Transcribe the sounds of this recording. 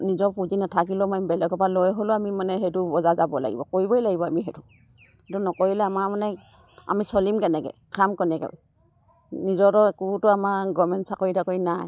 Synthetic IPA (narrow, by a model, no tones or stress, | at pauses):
nizɔpuzinatʰak̬ilɔmɔjbɛlɛɡɔpalojɦolʊamimanɛɦɛtubɔzazabɔla̰ɡḭbɔ̰koɹibɔjlaɡibɔamiɦɛtu | hetunɔkoɹilɛamamanɛ | a̰misɔlimkɛnɛɡɛ̰kʰamkɛnɛkɛ̰ | nizɔtɔekutʊamaɡɔmɛntsakoɹitʰakoinaj